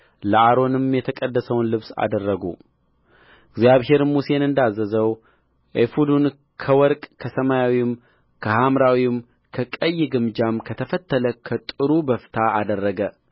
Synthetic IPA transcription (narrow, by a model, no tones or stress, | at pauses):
ləʔaɾo̞nɨmjɛt̪ʰəkʼəd̪ːəsəwnlɨβsa̰d̪ərːəɡṵ | ɪɡzjaβɦe̞ɾmuse̞nɨnd̪azːəzəw | ʔefud̪un | kʰəwɔɾkʼkʰəsəmajawim | kʰəhamɾawim | kʰəkʼəjːɪɡɨmd͡ʒamkʰət̪ʰəfət̪ʰːələkʰət̪ʼɨɾubəfɨ̥t̪ʰaad̪ərːəɡə